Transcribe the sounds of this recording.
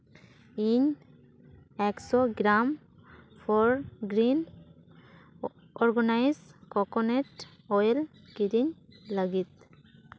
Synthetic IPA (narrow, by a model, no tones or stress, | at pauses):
iɲ | ɛksɔɡɾam | fʰɔɹɡɾin | ɔɾɡɔnajzkɔkɔnɛʈ | ɔjɛl | kiɾiɲlaɡit̪̚